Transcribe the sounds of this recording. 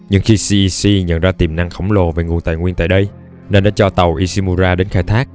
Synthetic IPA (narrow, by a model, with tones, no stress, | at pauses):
ɲɨ̰˧ŋxi˧si˧ʔi˧si˧ɲə̰˧˨nzaː˧t̪i˨˩mna˧ŋxə˧˩wŋ͡mlo˨˩ve˨˩ŋu˨˩ənt̪a̰ː˧˨jŋwi˧ənt̪ːjɗə˧j | ne˧nɗa̰ː˧˦t͡ɕɔ˧t̪ə˨˩wʔi˧si˧mu˧zaː˧ɗe˨˦nxaː˧jt̪ʰaː˦˥k̚